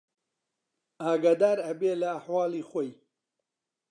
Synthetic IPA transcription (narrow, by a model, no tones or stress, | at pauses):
aːɡaːd̪aːɾɐbeːlɐːħwaːliːxoj